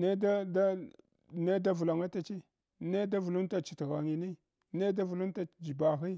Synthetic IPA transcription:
ne˦da˦da˦ | ne˦da˦vu˨la˨ŋa˦ta˦t͡ʃi˦ | ne˦da˦vu˨lu˦nta˨t͡ʃi̥˨tɣa˨ŋi˨ni˦ | ne˦da˦vu˨lu˦nta˨d͡ʒi˨ba˨xi˦

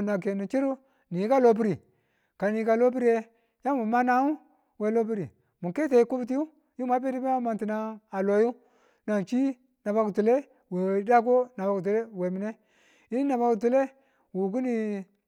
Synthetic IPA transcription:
na˨k̬e˨ni˨t͡ʃi˦ɾu˦ | ni˨˦ka˦lo˦bi˦ɾi˨ | ka˨ni˨ka˨lo˦bi˦ɾi˦je˦ | ja˦mu˨ma˦na˦u˦ | we˨lo˦bi˦ɾi˨ | mu˨ke˦te˨i˦ku˦bi˦t̬i˦ju˦ | ju˦ma˦pe˦ti˦bi˦a˦ma˨nti˨na˦a˨lo˨ju˦ | na˨t͡ʃi˦ | na˨ba˦ku˨tu˨le˦ | we˨˦da˦k̬o˦na˨ba˨ku˨tu˨le˦we˨mi˨ne˦ | i˦n˦na˨ba˨ku˨tu˨le˦ | wu˨ɡu˦ni˨

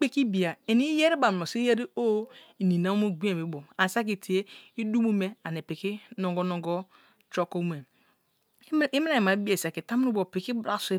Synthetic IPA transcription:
k͡pe˦ki˦bi˨a˨e˨ni˦je˦ɾi˦ba˨m˨o˨si˦je˦ɾi˦o˦i˨ni˨na˦mo˦ɡi˦e˨me˨˦bo˨a˨sa˦k̬i˨ti˨e˦i˦du˦mu˦me˦a˨ne˨pi˨ki˦no˨ŋɡo˦no˨ŋɡo˦ | t͡ʃo˦ko˦m˨e˨˦ | i˦m˦a˦˨i˨ma˨˦bi˦e˨sa˨ke˨ta˦mi˦u˦bo˨pi˨ki˦bɾa˦˨se˦

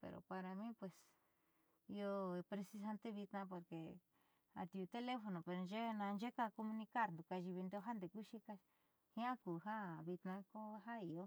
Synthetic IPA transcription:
pḛ˨ɾo̰˨pa˧ɾa˧mĩ˦pwe˨s | i˧o˧e˧pɾe˧si˧s̬a˧nt̪e˦βi˧t̪nã˧p̬o˨ɾke˨ | a̰˧t̪i˧˨u˧t̪e˦le˦fo˧nõ˨pe˧ɾo˨˧nd͡ʒe˦˧nã˧nd͡ʒe˦ka˧ko˧mũ˧nĩ˧ka˦ɾnd̪u˨ka˧ʒi˧βi˧nd̪o˦˧˦ɦa˦nd̪e˨ku˦ʃi˧ka˧ | hĩ˦ã˦kuː˨ɦa˦βi˧t̪nã˧ko˦ɦa˦i˨o˦

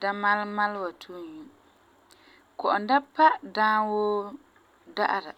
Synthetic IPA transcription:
da˦ma˦lma˦lwa˨tʰu˦˨ɲu˦ | kɔ˨ʔʊ˨nda˦pa˦dãː˦wo˦ | da˦ʔa˨ɾa˨

